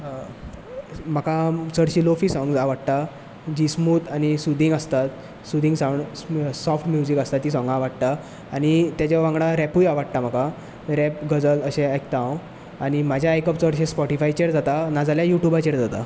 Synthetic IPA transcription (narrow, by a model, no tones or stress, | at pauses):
makasəɽɕilofiːsɔ̃ŋɡd͡zaʋaɽt̪a | d͡ʑismuːt̪añisud̪ʱĩŋɡəst̪at̪ | sud̪ʱĩŋɡsãwɳɖsɔfʈmjud͡ʑikəst̪at̪ːiːsɔ̃ŋɡaʋaɽt̪aː | ɽ̃it̪jat͡ɕaʋãŋɡɽãɾɛpujaʋaɽ̚t̪am̤aka | ɾɛp̚ɡəd͡zələɕẽajk̚t̪ãw | aɽ̃imad͡ʑʱjaːjkəpt͡səɽɕẽspɔʈifajt͡ɕeɽd͡zat̪anad͡zaljajuʈjubat͡ɕeɽd͡zat̪a̰